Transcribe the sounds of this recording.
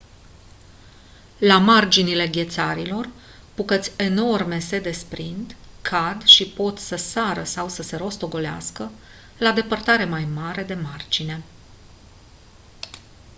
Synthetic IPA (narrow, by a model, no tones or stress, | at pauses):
lamard͡ʒinile̞ɡʲe̞t̪saɾilo̞r | pukət̪sʲe̞no̞rme̞se̞d̪e̞spɾind̪kʰad̪ʃipo̞t̪səsaɾəsawsəse̞ɾo̞st̪o̞ɡo̞lea̰skə | lad̪e̞pərt̪aɾe̞majmaɾe̞d̪e̞mard͡ʒine̞